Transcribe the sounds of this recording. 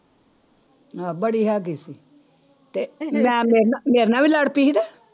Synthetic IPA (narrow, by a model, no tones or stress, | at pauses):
ãːbəɽiːɦaːk̬iːsiː | t̪eːmɛ̃ːmeːɾnameːɾnaːʋiːləɽpiːd̪ɛː